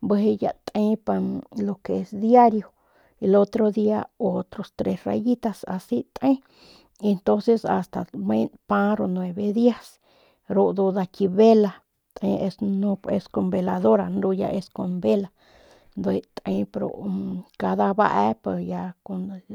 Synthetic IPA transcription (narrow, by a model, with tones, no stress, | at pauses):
bə˧ɦe˧ja̰˧t̪ʼẽ˧pa˧lo˧ke˨e˧sd̪ja˦ɾjo˨ | e˧lo˧t̪ɾo˧ði˦a˧o˦t̪ɾo˧st̪ɾe˧sra̰˧ji˦t̪a˧sa̰˧si˦t̪ʼẽ˦ | e˧nt̪õ˦nse˧sa̰˧st̪a˨mẽ˦npã˧ɾo˧nwe˧βe˧ði˦a˧s | ɾo˧ʔd̪u˧d̪a˧ki˧βe˦la˧ | t̪ẽ˧e˧snũ˧e˧sko˧mbe˧la˧ðo˦ɾa˧nɾu˧ja̰˧ʔe˧sko˧mbe˦la˧ | nd̪e˧t̪ʼẽ˧pɾo̰˧˨ka˧ða˧βa̰˦˧ʔɛ˧pe˧ja˧ko˧n